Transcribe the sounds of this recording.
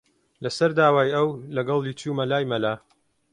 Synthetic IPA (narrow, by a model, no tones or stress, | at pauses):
lɐsɐɾd̪aːwaːjɐwlɐɡɐlˠit͡ʃuːmɐlaːjmɐlaː